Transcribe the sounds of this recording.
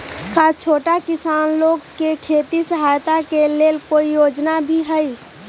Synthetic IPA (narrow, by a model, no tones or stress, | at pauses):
kaːt͡ʃʰoːʈakɪsaːnloːɡkekʰeːt̪isəɦaːjt̪akeleːlkoːijoːd͡ʒnabʱiɦɛi